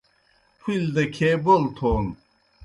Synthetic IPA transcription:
pʰild̪ɐkʲʰebolt̪ʰon

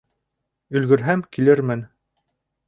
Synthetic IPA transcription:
ɵ̆lɡɵ̆ɾɦæmkilɘɾmɘn

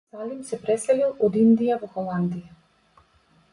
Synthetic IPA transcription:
salimsɛpɾɛsɛlilˠɔd̪ind̪ijavɔxɔlˠand̪ija

